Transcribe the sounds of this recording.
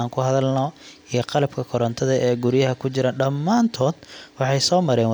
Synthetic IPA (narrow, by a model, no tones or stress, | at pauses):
aːŋkʰʊɦɐðɐlnɔijɞqɑlɐb̚kʰɐkʰɔɾɐnt̪ʰɐðɐʔɛːɡʊɾjɐɦɐkʰʊt͡ʃɪɾaːɖɐmːaːnt̪ʰɔːd̪̥wɑħɑjsɔːmɐɾɛːn